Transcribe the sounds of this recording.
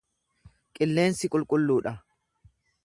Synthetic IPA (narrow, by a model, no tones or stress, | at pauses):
kʼɪlːe̞ːnsɪkʼʊlkʼʊlːuːᶑɐ